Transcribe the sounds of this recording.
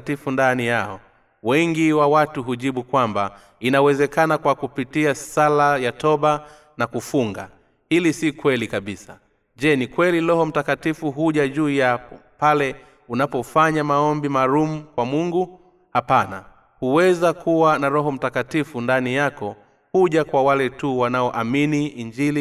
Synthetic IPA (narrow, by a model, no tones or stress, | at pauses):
tifundanijaɔ̰ | wɛŋɡiwawatuɦuʄiɓukwamba̰ | inawɛzɛkanakwakupitiasalajatɔɓa | nakufuŋɡa̰ | hilisikwɛlikaɓisa̰ | ʄɛnikwɛlilɔhɔm̩takatifuɦuʄaʄuːjapɔpalɛ | unapɔfaɲamaɔmbimaːlum̩kwamuŋɡu | hapana̰ | huwɛzakʰuwanaɾɔɦɔm̩takatifundanijakɔ | huʄakwawalɛtuwanaɔʔaminiiɲd͡ʒili